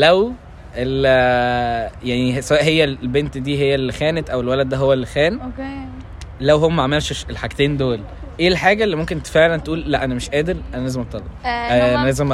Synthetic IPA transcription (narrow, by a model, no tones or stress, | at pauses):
læw | ʔel | jaʕnisæwæːʔɦejːællbent̪d̪iːɦejːælːxæːnet̪ʔæwelwælæd̪̚ːæɦowːælːxæːnke | læwɦoːæmæʕamelʃeʃelħaɡt̪eːnd̪oːl | ʔeːlħaːɡælːimomkent̪feʕlænt̪ʔuːlːæʔænæmeʃʔæːd̪eɾʔænælæːzemʔɑt̪ˤːɑlˤːebʔæænælæːzem